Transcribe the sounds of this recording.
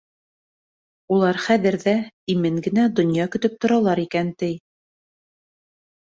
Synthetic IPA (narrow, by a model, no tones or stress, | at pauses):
ulˠɑɾχæðɘ̆ɾðæimɘŋɡɘ̆næd̪ŏnjɑkɵ̆t̪ɵp̚t̪ŏɾɑlˠɑɾikænt̪ɘj